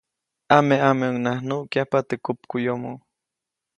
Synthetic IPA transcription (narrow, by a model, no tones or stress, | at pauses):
ameʔameoŋnahnuʔkjahpat̪ekup̚kujomo